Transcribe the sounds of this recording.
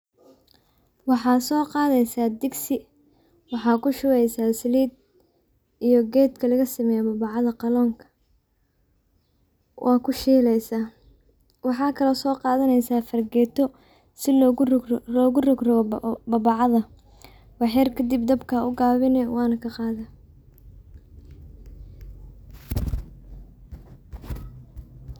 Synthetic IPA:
wɑħɑːsɔːqɑːðɛjsaːd̪ɪɡsɪ | wɑħɑːkʰʊʃʊwɛjsaːsɪliːd̪̚ | ijɔɡɛːd̪kʰɐlɐɣɐsɐmɛjɔbɐβɑʕɑðɐqɑlɔːŋkʰɐ̥ | wʔɑːkʰʊʃiːlɛjsaː | wɑħɑːkʰɐlɔsɔːqɑːðɐnɛjsaːfɐrɡɛːt̪ʰɔ | sɪlɔlɔːɣʊrɔɡrɔɣɔbɑβɑʕɑðɐ | wɑħɛrkʰɐd̪ibd̪ɐbkʰɐʊɡaːβɪnɛwɑːnɐkʰɐqɑːðɐ

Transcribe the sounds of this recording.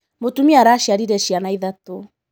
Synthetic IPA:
motumiaɾaʃjaɾiɾɛɕianaiðato

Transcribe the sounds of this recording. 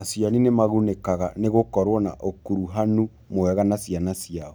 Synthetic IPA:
asjaninemaɣunekaɣaneɣokɔɾwɔna̰ʔokuɾuɦanu | moɛɣanasianasijaɔ

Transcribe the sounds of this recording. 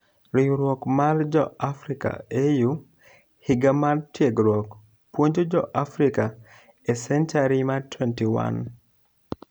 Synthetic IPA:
ɾiɾwɔkmard͡ʒɔafɾika̰eju | hiɡamartjeɡɾwɔk | pwoɲd͡ʒod͡ʒɔʔafɾika | esɛnt͡ʃaɾimatwɛntiwa̰n

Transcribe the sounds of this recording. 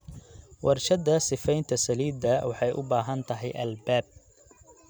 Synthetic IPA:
wɑrʃɐd̪ɐsɪfɛjnt̪ʰɐsɐliːd̪ɐwɑħɑjʔʊ̰baːɦɐnt̪ʰɐɦɛ̰jʔɐ̰lbaːb̚

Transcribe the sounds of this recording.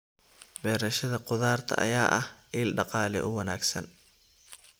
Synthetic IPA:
bɛːɾɐʃɐðɐqʊðaːrt̪ʰɐ̰ʔɐ̰jaːʔɐhʔiːlɖɑqɑːlɛ̰ʔʊwɐna̰ːɡsɐ̰n

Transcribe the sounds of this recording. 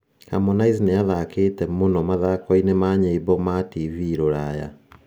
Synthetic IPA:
ha̰mɔnaiznejaðakeːtɛmonɔmaðakɔinemaɲeibɔmativiɾoɾaja̰

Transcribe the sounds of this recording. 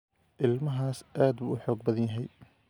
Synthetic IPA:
ʔɪlmɐɦaːsʔaːd̪buːʊħɔːɡbɐðɐnjɐɦɛj

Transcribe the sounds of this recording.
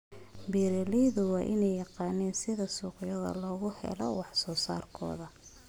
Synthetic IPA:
biːɾɛlɛjðʊwɑːʔɪnɛjɑqɑːnɛːnsɪðɐsuːqjɐðɐ̰lɔːɣʊhɛ̰lɔ̰wɑħsɔːsa̰ːrkʰɔ̰ːðɐ

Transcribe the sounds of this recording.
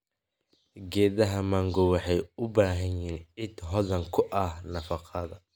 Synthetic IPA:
ɡɛːðɐɦɐmɐŋɡɔwɑħɑjʊbaːɦɐniːnʕɪd̪ɦɔðɐŋkʰʊʔɐhnɐfɑqʰɐðɐ

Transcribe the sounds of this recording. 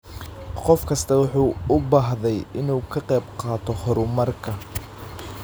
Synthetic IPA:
qɔfkʰɐst̪ʰɐwʊħuːʊbaːɦðɛjɪnuːkʰɐqɛjbqɑːt̪ʰɔhɔɾʊmɐrkʰɐ

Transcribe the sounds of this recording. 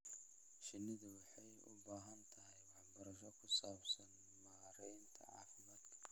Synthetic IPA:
ʃɪnːɪðʊwɑħɑjʊ̰baːɦɐnt̪ʰɐɦɛjwɑħbɐɾɐʃɔkʰʊsaːbsɐn | maːɾɛjnt̪ʰɐ̰ʕɑ̰ːfɪmɐd̪kʰɐ̥

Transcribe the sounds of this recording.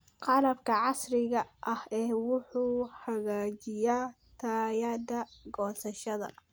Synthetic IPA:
qɑlɐbkʰɐʕɑsrɪɣɐʔɐhɛːwʊħuːhɐɣaːt͡ʃɪjaː | t̪ʰaːjaːd̪ɐɡɔːsɐʃɐðɐ̰

